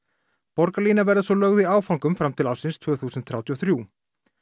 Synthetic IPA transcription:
pɔɾkaliːnavɛɾðɪsɔlœɣðɪiaːwfawŋkʏmfɾamt̪ʰɪlaːwsɪnst̪ʰvœːθuːsʏnt̪θɾjawt̪ʰiɔθɾjuː

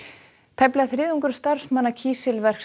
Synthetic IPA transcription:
t̪ʰajplɛɣaθɾɪːðuŋkʏɾ̥st̪aɾsmanːacʰiːsɪlvɛr̥k

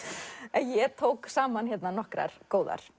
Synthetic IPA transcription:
ɛnjɛt̪ʰoːwksaːmançjɛt̪nanɔhkɾa̰ɾ̥koːwða̰ɾ̥

